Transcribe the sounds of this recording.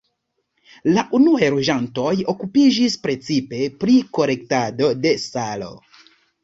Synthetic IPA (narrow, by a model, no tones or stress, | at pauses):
laʔunuajɾoʒanto̞jo̞kupid͡ʒispɾe̞t͡sipe̞pɾiko̞ɾe̞ktado̞de̞salo̞̰